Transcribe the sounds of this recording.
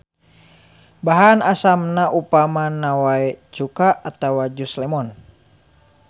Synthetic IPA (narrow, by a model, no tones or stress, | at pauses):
baɦanasamnaʔupamanawaɛt͡ʃukaːt̪awad͡ʒuslɛmɔn